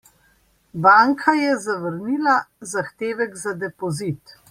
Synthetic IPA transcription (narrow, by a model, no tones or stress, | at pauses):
baːŋkʰajɛzaʋəɾniːlazaxt̪eːʋɛɡzad̪ɛpɔzit̪